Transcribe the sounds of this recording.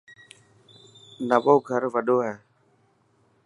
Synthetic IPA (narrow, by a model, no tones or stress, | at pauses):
nəɓoːɡʱəɾʋəɗoːɦɛː